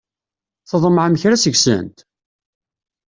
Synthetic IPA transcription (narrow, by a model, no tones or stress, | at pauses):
θəðˤməʕməçɾæsəɡsə̰nt̪